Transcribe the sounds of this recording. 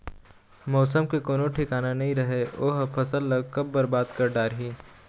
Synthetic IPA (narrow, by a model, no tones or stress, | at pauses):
mɔːsəmkekoːnoʈʰɪkaːnanɐɦĩɾɐɦeoːɦpʰɐsəlːɐɡkɐb̚ːɐɾbaːd̪kɐɾɖaːɾɦiː